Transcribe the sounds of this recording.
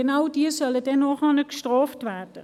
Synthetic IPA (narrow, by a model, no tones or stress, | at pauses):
ənawdiːəsœlədɛnːɔχɑnəkʃtʁɔːftvæd̥ə